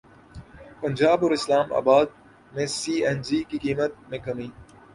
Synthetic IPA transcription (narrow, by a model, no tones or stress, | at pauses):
pɐnʲd͡ʒaːbɔːɾɪslaːma̰ːbaːd̪̚ | mẽsiːɛnziːkikiːmət̪̚mẽːkɐmĩː